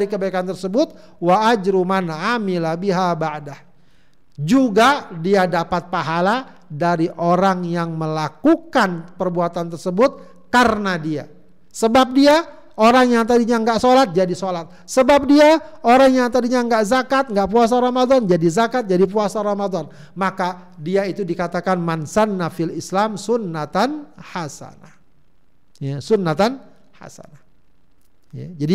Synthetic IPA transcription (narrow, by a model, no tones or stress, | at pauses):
ɾikəbaikant̪ərsəbʊt̪̚ | waːd͡ʒɾumanaamilabiɦabaʔdah | d͡ʒuɡadiadapat̪̚paɦala | daɾiʔoɾaŋjaŋməlakukanpərbuat̪ant̪ərsəbʊt̪̚ | karnadia̰ | səbap̚dia | oɾaŋjaŋt̪adiɲaŋɡaʔsolat̪̚d͡ʒadisolat̪̚səbap̚diaoɾaŋjaŋt̪adiɲaŋɡaʔzakat̪̚ŋɡaʔpuas̬aɾamad̪ɔnd͡ʒadizakat̪̚d͡ʒadipuasaɾamad̪ɔn | makadiait̪udikat̪akanmansanːafilislamsunːat̪anhasa̰nah | jasunːat̪an | ha̰sa̰nah | ja̰d͡ʒadi